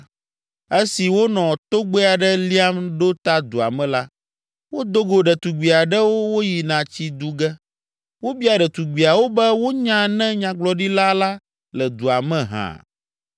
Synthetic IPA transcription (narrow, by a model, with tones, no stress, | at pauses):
e˦si˨wo˦nɔ̃˨t̪o˦ɡ͡be˦a˨ɖɛ˦li˦a˦mɖo˦t̪a˦d̪u˨a̰˨mɛ̃˦la˦ | wo˦d̪o˦ɡo˨ɖɛ˨t̪u˨ɡ͡bi˨a˨ɖɛ˦wo˦wo˦ji˨nã˨t͡ɕi˦d̪u˦ɡɛ˦ | wo˦bi˦a˨ɖɛ˨t̪u˨ɡ͡bi˨a˨wo˦bɛ˦wo˦ɲã˦nɛ̃˦ɲã˦ɡ͡blɔ˨ɖi˦la˦la˦ | lɛ˨d̪u˨a˨mɛ̃˨ɦã̰˨